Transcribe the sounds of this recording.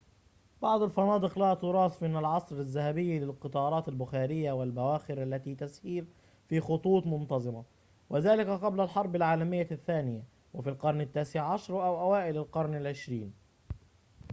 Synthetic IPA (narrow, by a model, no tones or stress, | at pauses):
bɑʕd̪ˤalfɑnɑːd̪ˤɨqlæːʔt̪ʊɾˤɑːsmɪnalʕɑsˤɾazːahabɪjːlɪlqɨt̪ˤɑːɾˤɑːt̪albʊxaːɾɪjːawɪlbawaːxɪɾʔalːat̪iːt̪asiːɾ | fiːxʊt̪ˤuːt̪ˤmʊnt̪ɑzˤɨma | wɪðaːlɪkaqɑblalħɑɾˤbɪlʕaːlamɪjːaθːaːnɪja | wʔafilqɑɾˤnɪt̪ːaːsɪʕʕɑʃɾˤʔawʔawaːʔɪlalqɑɾˤnɪlʕɪʃɾiːn